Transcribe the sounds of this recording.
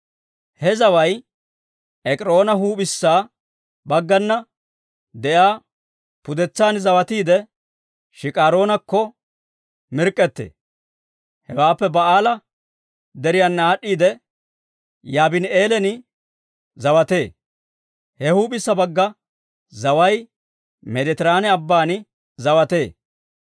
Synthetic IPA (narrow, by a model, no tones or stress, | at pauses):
hɛzɐwɐj | ʔɛkʼɪɾoːnɐɦuːɓɪsːaː | bɐɡːɐnːɐ | d̪ɛjaː | pʊd̪ɛt͡sːaːnzɐwɐt̪iːd̪ɛ | ʃɪkʼaːɾo̞ːnɐkːɔ | mɪɾkʼːɛt̪ːḛː | hɛwaːpːɛbɐaːlɐ | d̪ɛɾɪjanːɐaːɗːiːd̪ɛ | jaːbɪneːlɛnɪ | zɐwɐt̪e̞ː | hɛhuːbɪsːɐbɐɡːɐ | zɐwɐj | mɛd̪ɛt̪ɪɾaːnɛɐbːaːnɪ | zɐwɐt̪e̞ː